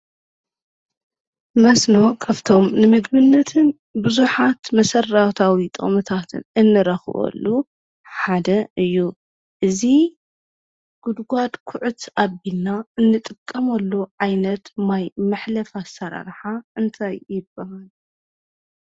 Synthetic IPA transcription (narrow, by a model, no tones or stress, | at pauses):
mɐsno̞kʰaβt̪ʰo̞mnɨmɨɡbɨnːɐt̪ʰɨn | bɨzuħat̪mɐsɐrawt̪ʰawit̪ʼɨ̰mɨt̪ʰat̪ʰɨ̰nɨnːɨɾɐxβo̰lːu | ħad̪ɐɨjːu | ʔɨzi | ɡ̥ud̪ɡʷad̪kʰʊʕut̪ʔaβilnaɨnːɨt̪ʼɨkʼːɐmɐlːoʕajnɐt̪majmɨħlɐfasɐɾa̰ɾħaɨnt̪ʰajjɪbːɐhal